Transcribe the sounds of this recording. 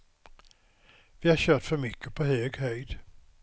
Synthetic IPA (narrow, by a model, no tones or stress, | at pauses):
vɪhaɾɕøːʈfœɾmʏkʰːəpʰɔhøːɡhœjd̪